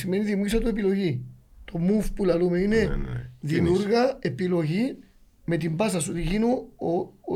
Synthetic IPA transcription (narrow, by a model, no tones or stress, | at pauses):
sime̞niðimus̬ɐt̪ue̞p̬ilo̞ʝi | t̪o̞mufpulɐlumeine̞ðimuɾɣɐe̞pilo̞ʝi | me̞t̪imbɐs̬ɐsut̪iʝinu